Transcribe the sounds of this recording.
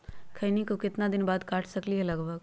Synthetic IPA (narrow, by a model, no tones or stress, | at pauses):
kʰɐnikokɪt̪nad̪ɪnbaːd̪kaːʈʰsɐkliɦɛlɐɡʋəɡ